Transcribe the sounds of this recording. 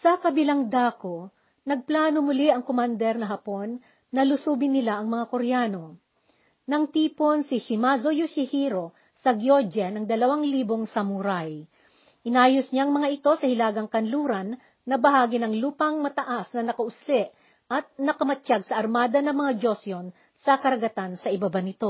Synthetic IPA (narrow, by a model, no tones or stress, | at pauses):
sɐkɐbɪlaŋd̪aːko | nɐɡ̚plaːnomʊlɪʔɐŋkomand̪ɛɾnɐɦɐpo̞nː | ɐlʊsuːbɪnɪlaʔɐŋmɐŋakoɾɛjaːno̞ | nɐŋt̪iːpo̞nsɪʃɪmazojusɪhiɾo̞ | sɐɡjod͡ʒɛnɐŋd̪ɐlɐwaŋliːboŋsɐmʊɾaj | ʔɪnaːjosɲaŋmɐŋaʔɪt̪o̞sɐhɪlaːɡɐŋkɐnluːɾɐnː | ɐbɐɦaːɡɪnɐŋluːpɐŋmɐt̪ɐʔasnɐnɐkɐʔʊslɛʔ | ʔɐt̪̚nɐkɐmɐt͡ʃaɡ̚sɐʔɐɾmaːd̪ɐnɐŋmɐŋad͡ʒo̞sjo̞n | sɐkɐɾɐɡɐt̪ansɐʔɪbabanɪt̪o̞